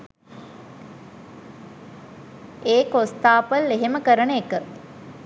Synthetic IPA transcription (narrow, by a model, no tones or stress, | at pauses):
eːkost̪aːpəlːeɦeməkəɾənəekə